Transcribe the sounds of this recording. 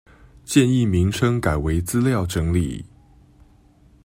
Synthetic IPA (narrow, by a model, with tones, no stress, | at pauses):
t͡ɕjɛ˥˧ni˥˩mi˧˥ŋʂɤ˥ŋka˨˩ɪwe˧˥ɪt͡sɹ̩˥ljɑ˥˩ʊʈ͡ʂɤ˧˥ŋlḭ˨˩˦